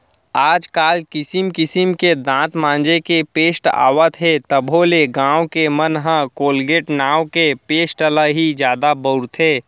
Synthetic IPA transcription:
aːd͡ʒkaːlkɪsimkɪsimked̪ãːt̪mãːnd͡ʒekepeːsʈa̰ːwət̪ɦet̪əbʱoleɡãːwkemənɦə̃koːlɡeːʈnaːwkepeːsʈələɦid͡ʒjaːd̪abəʊɾt̪ɦeː

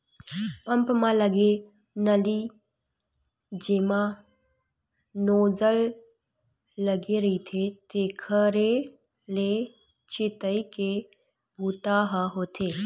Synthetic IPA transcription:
pə̃mpmãləɡe | nəli | d͡ʒeːmã | noːzəl | əɡeɾəit̪ʰet̪eːkʰəɾe | le | t͡ʃɪt̪əike | bʱuːt̪aɦəɦoːt̪ʰeː

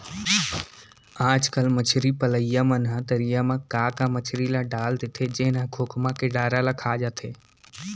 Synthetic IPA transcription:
aːd͡ʒkəlmət͡ʃʰɾipələijamənɦãt̪əɾijamãkaːkamət͡ʃʰɾilaɖaːld̪ɪt̪ʰed͡ʒeɦnãɡʰʱʊkʰmãkeɖaːɾalakʰaːd͡ʒaːt̪ʰeː

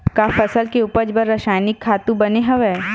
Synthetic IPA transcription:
kafɐsəlkeuːpəd͡ʒbəɾːɐʃaːjnɪkʰːaːt̪ũbɐneɦɐʋɛː

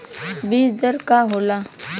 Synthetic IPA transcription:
biːsd̪əɾkaɦoːlaː

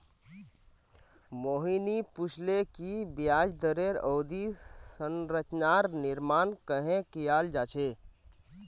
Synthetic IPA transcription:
moːɦinipʊt͡ʃʰlekibijaːd͡ʒd̪əɾeɾoːd̪isənɾət͡ʃnaːɾnɪɾmaːnkəɦẽkijaːld͡ʒaːt͡ʃʰeː

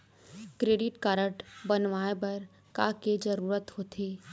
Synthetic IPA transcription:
kɾeːɖɪʈkaːɾəʈbɐnʋaːebɐɾ | kaːked͡ʒɐɾuːɾət̪hoːt̪ʰeː

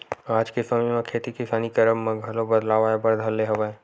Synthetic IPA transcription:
aːd͡ʒkesəmimẽkʰeːt̪ikɪsaːnikɐɾəmːɐ̃ɡʱəlobɐd̪laːʋabɐɾd̪ʱɐlːeɦɐʋae

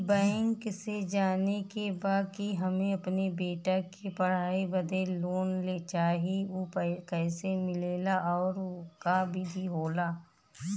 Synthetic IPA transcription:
bɛ̃ːŋksed͡ʒaːnekebaːd̪̚kiɦɐmẽɐpnebeːʈakipɐɽ̤aːibɐd̪ʱeloːnlet͡ʃaːɦeopkɛːsemɪleːlaʔɔːɾkabʱibʱiɦoːlaː

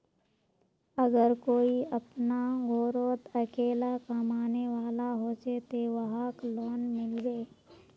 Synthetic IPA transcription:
əɡəɾkoːiɐpnaɡoːɾoːt̪əkeːlakəmaːneʋaːlaɦoːt͡ʃet̪eːʋəɦaklɔːnmɪlweː

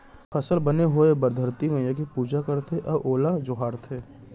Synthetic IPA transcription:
fʰɐsəlbɐneɦoebɐɾd̪ʱəɾt̪imẽjɐkipuːd͡ʒakɐɾt̪ʰeʔɐbʔoːlad͡ʒʊɦaːɾt̪ʰeː

